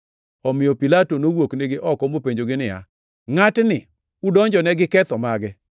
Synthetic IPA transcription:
ɔmɪjɔpilatonowokneɡɪʔɔkɔmopeɲd͡ʒoɡɪnɪja̰ | ŋatnɪ | udɔɲd͡ʒɔnɛɡɪkɛt̪ɔmaɡɛ

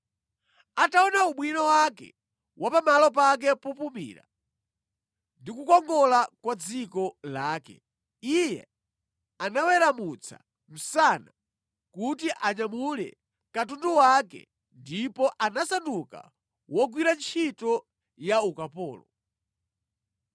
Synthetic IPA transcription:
ataɔnauɓwinawakɛ̰ | wʔapamalɔpak̬ɛpupumḭːɾa̰ | ndikukɔŋɡɔlakwad͡zikɔlaːkɛ̰ | ijɛ̰ | anawɛɾamut͡sʰa̰ | m̩sana | kutiʔaɲamulɛ̰ | katunduwakɛ̰ | ndipɔʔanasanduka̰ | wɔɡwiɾant͡ʃʰitɔ | jaukapɔːlɔ

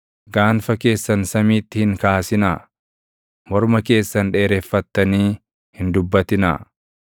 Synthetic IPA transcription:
ɡaːnfɐke̞ːsːɐnsɐmiːt̪ːɪhɪŋkaːsɪna | mɔɾmɐke̞ːsːɐnᶑe̞ːɾeːfːɐt̪ːɐniː | hɪnd̪ʊbːɐt̪ɪna̰ː

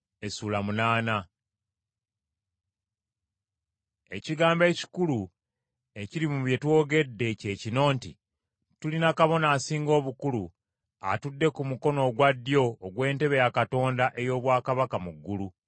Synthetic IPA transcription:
e̞suːlamunaːna | e̞ciɡaːmbe̞ːci̥kulu | e̞cilimuβje̞two̞ːɡe̞dːe̞ce̞ːcino̞ːnti | tulinakaβo̞naːsiːŋɡo̞ːβukulu | a̰tudːe̞kumuko̞no̞ːɡwadːjo̞ːɡwe̞ːnte̞βe̞jakato̞ːndaʔe̞jo̞ːβwaːkaβakamuɡːulu

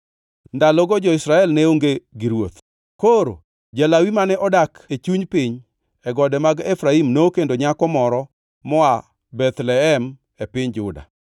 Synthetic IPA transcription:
nd̪alɔɡɔd͡ʒɔɪsɾaɛlneoŋɡeɡiɾwot̪ | koɾo̰ | d͡ʒelawimanɛʔɔdaket͡ʃuɲpɪɲ | ɛɡɔdɛmaɡefɾaimnokendoɲakɔmɔɾɔ | mɔa | bɛt̪lɛɛm | epɪɲd͡ʒʊda̰

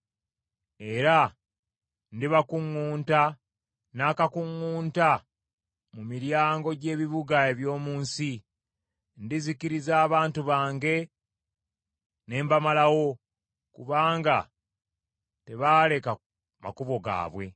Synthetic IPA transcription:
e̞ɾa | ndiβakuŋːuːnta | naːkakuŋːuːnta | mumiɾjaːŋɡo̞ɟe̞ːβiβuɡaeβjo̞ːmuːnsi | ndiziciɾizaːβaːntuβaːŋɡe̞ | ne̞ːmbamalawo̞ | kṵβaːŋɡa | te̞βaːle̞ka | ma̰kuβo̞ɡa̰ːβwe̞̰

